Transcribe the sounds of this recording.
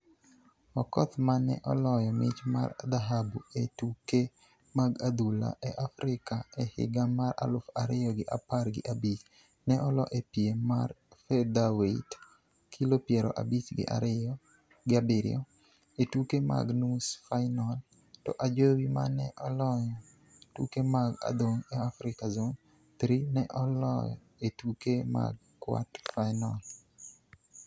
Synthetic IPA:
ɔkɔt̪manɛ̰ʔɔlɔjɔmɪt͡ʃma̰rd̪aɦabuetuke | maɡad̪ula̰ʔeʔafɾɪkaɛhɪ̰ɡamara̰lʊfaɾɪjɔɡɪʔaparɡɪ̰ʔabit͡ʃ | nɛʔɔlɔʔepiemarfɛd̪awet | kʰilopjeɾɔʔa̰bit͡ʃɡɪ̰ʔa̰ɾɔ | ɡɪabiɾj̰ɔ̰ | etukema̰ɡnusfajnɔl | tɔ̰ʔad͡ʒowima̰nɛʔɔlɔɲɔ | twṵkemaɡa̰d̪oŋɛafɾɪkazoŋ | t̪ɾinɛʔɔlɔ̰j | etukema̰ɡ̚ | kwa̰tfajnɔ̰l

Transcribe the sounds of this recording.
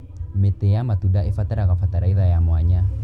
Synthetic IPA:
metejamatundaefatɛɾaɣafataɾaiðajamwaɲa

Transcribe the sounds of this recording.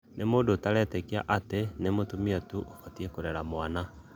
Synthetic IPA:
nʔemoːndotaɾɛtɛkia̰ʔatenemotumiatuokatiekoɾɛɾamwana

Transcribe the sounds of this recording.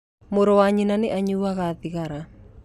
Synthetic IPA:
moɾowaɲinaneʔaɲuaɣaðiɣaɾa

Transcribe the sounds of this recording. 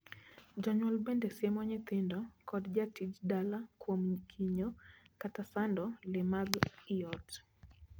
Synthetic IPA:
d͡ʒɔɲwalbɛndɛsjɛmɔɲɛt̪ɪndɔkɔdd͡ʒatid͡ʒdalakwomkʰiɲɔkatasandɔlɛmaɡijɔt

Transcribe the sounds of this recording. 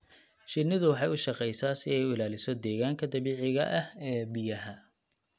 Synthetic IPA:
ʃɪnɪðʊwɑħɑjʊʃɑqɛjsaːsɪɛjʊɪlaːlɪsɔd̪ɛːɣaːŋkʰɐd̪ɐβiːʕɪɣɐʔɐhɛːbɪjɐɦɐ

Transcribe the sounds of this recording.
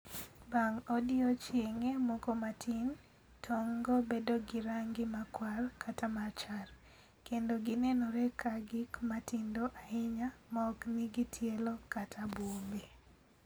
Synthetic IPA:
baŋodɪot͡ʃeŋemɔkomatʰin | tʰɔŋɡobedoɡɪɾaŋɡɪmakwarkʰatamat͡ʃar | kendoɡinɛnɔɾɛkʰaɡɪkmatindoʔahɪɲamaɔkniɡitʰjelokatʰabumbe

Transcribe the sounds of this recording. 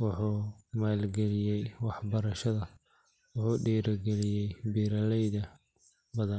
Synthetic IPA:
wʊħuːmaːlɡɛlɪjɛjwɑħbɐɾɐʃɐðɐ | wʊħuːɖiːɾɐɡɛlɪjɛjbiːɾɐlɛjðɐ | bɐðɐn

